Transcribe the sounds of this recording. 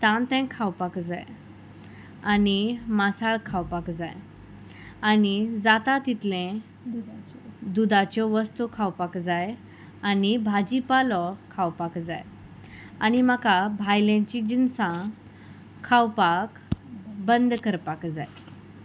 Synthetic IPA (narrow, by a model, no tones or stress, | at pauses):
t̪ãnt̪ɛ̃kʰawpakd͡za̰j | animasaɭkʰawpakd͡zaj | anid͡zat̪at̪it̪lẽ | d̪ud̪at͡ɕɔʋəst̪ukʰawpakd͡zaj | anibʱad͡ʑipalɔkʰawpakd͡zaj | animakabʱajlẽt͡ɕid͡ʑinsã | kʰːawpakbənd̪kəɾpakd͡zaj